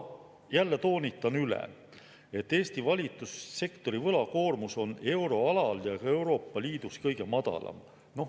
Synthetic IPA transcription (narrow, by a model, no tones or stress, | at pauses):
jælːe̞t̪o̞ːnʲit̪ːˑɑnylɛ̰ | e̞t̪ːe̞ːst̪ivɑlʲit̪ːˑusːe̞kt̪o̞ɾivɤlɑko̞ːrmuso̞ne̞wɾo̞ɑlɑljɑe̞wɾo̞ːpːɑliːd̪̥uskɤjɡ̥e̞mɑd̪̥ɑ̰lɑ̰m | no̞